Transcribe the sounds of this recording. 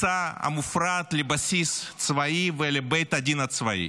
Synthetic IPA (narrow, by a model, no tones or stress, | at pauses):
saɐ̰mufɾat̪lʲibɐsʲist̪svɐjivɛlʲebɛjt̪ɐdʲinɐt̪svɐḭ